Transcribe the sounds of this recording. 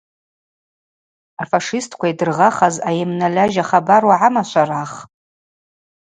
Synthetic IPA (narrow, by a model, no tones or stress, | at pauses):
afaʂɪstʰkʷʰaidɨrʁaχazajɪmnalaʒaχabarwaʕamaʃʷʰaraχ